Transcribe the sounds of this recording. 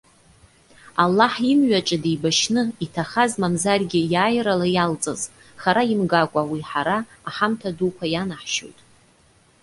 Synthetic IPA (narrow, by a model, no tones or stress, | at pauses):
alːaħimɥaʈ͡ʂʼadejbaʃnɨitʰaχazmamzarɡʲɪjaːjralajalt͡sʼa̰z | χaɾaimɡakʷʼawiħaɾaːħamtʰadukʷʰajanaħʃo̰jtʼ